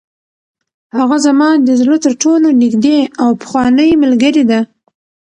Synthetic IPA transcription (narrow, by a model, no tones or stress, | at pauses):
haɣazamɑd̪əzlot̪əɾʈolonikd̪eawpə̥xwɑnəjməlɡaɾid̪a